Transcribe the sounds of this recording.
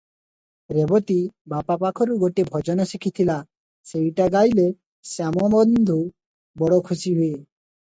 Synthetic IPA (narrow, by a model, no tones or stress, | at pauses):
ɾebɔt̪ibapapakʰɔɾuɡoʈebʱɔd͡ʒɔnɔsikʰit̪ʰila | sejʈaɡajle | samɔbɔnd̪ʱu | bɔɽɔkʰusiɦue